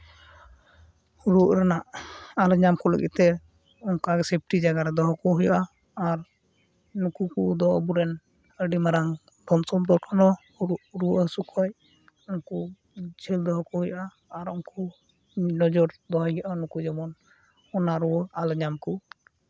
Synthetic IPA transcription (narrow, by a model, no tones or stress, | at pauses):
uɾuʔɾanaʔalɲamkɔlə̰ɡḭt̪ɛ | ɔŋkaɡɛsep̚ʰʈid͡ʒaɡaɾɛd̪ɔɦɔkɔɦujaʔaː | ɾ | nukukud̪ɔɔbuɾɛn | əɖimaɾaŋ | d̪ɔnsɔmd̪ɔkʰɔnɔ | uɾuʔɾuʔəsukʰɔj | ɔŋku | d͡ʒʱɛld̪ɔɦɔkɔhujaʔaː | ɾɔŋku | nɔd͡ʒɔɾd̪ɔɦɔjaʔanukud͡ʒɔmɔn | ɔnaɾuwɔalɲamku